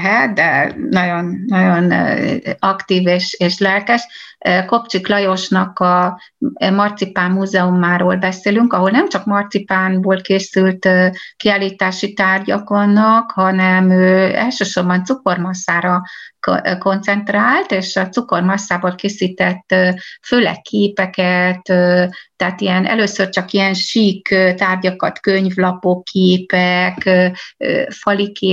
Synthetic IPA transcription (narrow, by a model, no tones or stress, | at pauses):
ɦɛt̪d̪ɛnɒɟo̞nːɒɟo̞n | ɒkt̪iːveːʃeːʃlɛlkɛʃko̞pt͡ʃiklɒjo̞ʃnɒkɒ | mɒrt̪sipaːmːuːzɛumaːɾoːlbɛseːlyŋkɒɦo̞lnɛmt͡ʃɒkmɒrt̪sipaːnboːlkeːsylt̪kiaːliːt̪aːʃit̪aːrɟɒkonːɒkhɒnɛmøːɛ̰lʃøːʃo̞rbɒnt̪suko̞rmɒsːaːɾɒ | ko̞nt̪sɛnt̪raːlt̪eːʃɒt̪suko̞rmɒsːaːboːlkeːsiːt̪ɛt̪ːføːlɛ̰kʰːeːpɛkɛt̪øɛaːt̪ijɛnʔɛ̰løːsørt͡ʃɒkijɛnʃiːkːt̪aːrɟɒkɒt̪køɲvlɒpokʰːeːpɛkː | fɒlikʰeː